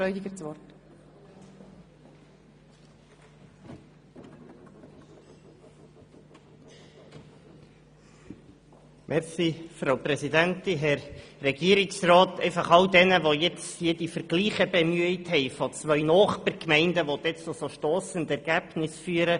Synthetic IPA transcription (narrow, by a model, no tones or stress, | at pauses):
œʏdɪɡət͡sʋɔɾt | mʔɛɾsifɾoʊprɛsid̪ænt̪inɦɛɾːɛɡiəɾɪksrɑːt̪ɛɪfɑχɑldɛnəʋojɛt͡sjɪd̥ifəɾɡ̥liːχəbɛmyəithɛɪfɔt͡sʋœʏnɔːχpəɾkmɛɪndəʋɔd̪ɛt͡sosoʃtɔːsənd̪ɛɾɡ̥æb̥nɪsfyːəɾə